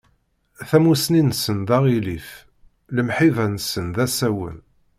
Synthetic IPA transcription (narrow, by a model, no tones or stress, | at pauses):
θæmusninsənðɑʁilif | ləmħivænsənðæsæwə̰n